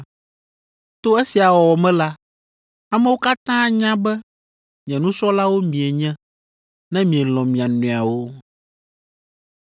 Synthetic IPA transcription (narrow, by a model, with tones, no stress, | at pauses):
t̪o˦e˦si˨a˨wɔ˨wɔ˨mɛ̃˦la˦ | a˨mɛ̃˦wo˦ka˦t̪ã˦ɲã˦bɛ˦ | ɲ˨ɛ̃˨nũ˦sɔ˦la˦wo˦mĩ˨e˨ɲɛ̃˦ | nɛ̃˦mĩ˨ɛ˨lɔ̃˨mĩ˨a˨nũ˨a˨wo˦